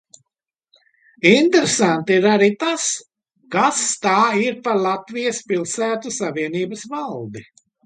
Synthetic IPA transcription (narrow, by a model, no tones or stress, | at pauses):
int̪eɾesant̪iiɾaɾit̪as | kast̪aːiɾpaɾlˠat̪vijɐspilˠsæːt̪usaviɛniːbɐsvalˠd̪i